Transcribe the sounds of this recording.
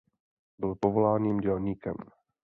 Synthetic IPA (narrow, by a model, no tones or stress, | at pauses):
bɪlpovolaːɲiːmɟɛlɲiːkɛ̰m